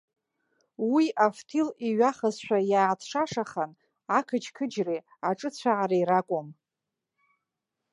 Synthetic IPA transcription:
wiʔaftʰiliɥaχazʃʷᶣajaːtʰʂaʂaχan | akʰɨt͡ʃkʰɨd͡ʒri | aʈ͡ʂʼɨt͡ɕʷʰaʕaɾaiɾakʷʼom

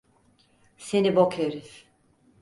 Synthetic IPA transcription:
senibokʰeɾif

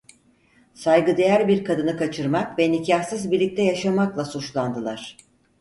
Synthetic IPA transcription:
sajɡɯd̪e̞jæɾbiɾkʰad̪ɯnɯkat͡ʃʰɯɾmakvɛnicʰahsɯzbiɾlʲic̚t̪ʰɛjaʃamaklˠasut͡ʃlˠand̪ɯlˠaɾ̝̥

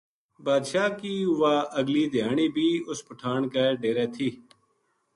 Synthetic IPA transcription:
baːd̪ʃaːkiːʋaːəɡliːd̪ʱɪjaːɳiːbʱiːʊspəʈʰaːɳkaːɖeːɾeːt̪ʰiː

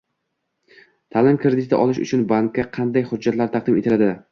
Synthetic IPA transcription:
t̪ʰaːlɪmkɾɪd̪ɪt̪ʰɪʔɒlˠɪʃʊ̰t͡ʃʰʊnbaŋkʰʲːaqʰɑnd̪ajχʊd͡ʒːat̪laɾt̪ʰɑq̚d̪ɪmet̪ʰɪlad̪ɪ

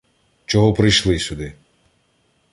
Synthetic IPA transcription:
t͡ʃɔɦɔpɾɪjʃlˠɪsʲʊd̪ɪ

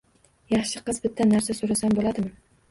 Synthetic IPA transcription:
jɑχʃɪqɨzbɪt̪ʰːanaɾsasoɾasambolad̪ɪmɪ

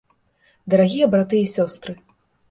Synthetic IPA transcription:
d̪ɐɾaɣʲijɐbɾat̪ɨjɐisʲɔst̪ɾɨ

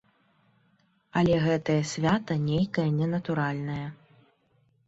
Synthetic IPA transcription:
ɐlʲɛɣɛt̪ɐjɐsʲvʲat̪ɐnʲejkɐjɐnʲɛnɐt̪uɾalʲnɐjɐ

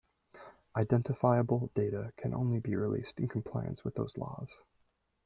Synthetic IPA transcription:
ʔaɪdɛ̃ntɨfaɪəbl̩ˠd̥eɪɾɨkʰɨ̃nʔõ̰ʊ̃nlibiɹilḭstɨ̃n̩kʰm̩pʰl̥aɪɨ̰̃nswəðo̰ʊz̥lɔ̰z̥

